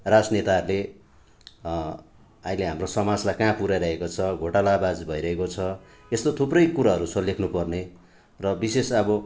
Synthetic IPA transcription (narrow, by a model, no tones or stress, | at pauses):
rad͡znet̪aɦʌɾule | ajleɦamrosʌmad͡zlajkãpuɾajɾʌɦekot͡sʰʌɡʱoʈalaːbad͡zbʱʌiɾʌɦekot͡sʰʌ | est̪ot̪ʰuprʌjkuɾaɦʌɾut͡sʰʌlekʰnupʌrne | rʌbisesʌbʌ